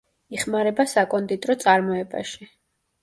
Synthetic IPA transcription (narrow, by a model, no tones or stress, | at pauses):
iχmaɾɛbasakʼɔnt̪ʼit̪ʼɾɔt̪sʼaɾmɔɛba̰ʃi